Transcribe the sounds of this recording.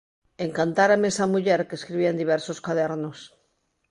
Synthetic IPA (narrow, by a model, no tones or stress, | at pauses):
eŋkant̪aɾamesamuʎeɾkeskɾiβ̞iaend̪iβ̞ɛɾsoskaðeɾnos